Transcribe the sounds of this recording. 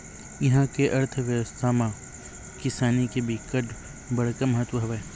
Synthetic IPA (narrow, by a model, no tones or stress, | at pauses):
jɐɦãkeʔɐɾt̪ʰəʋjɐʋəst̪ʰamã | kɪsaːnikebikəʈ | bɐɽkaməɦət̪wəɦɐʋɛ